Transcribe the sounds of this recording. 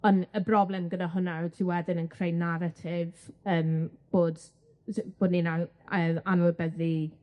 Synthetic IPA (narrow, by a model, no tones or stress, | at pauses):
ɔnəbrɔblˠɛmɡənaɦʊnatʰiwɛdɪnənkʰrejnaɾatʰɪvəːmb̥oːd | b̥oːdnina | əːanɔlˠbɛði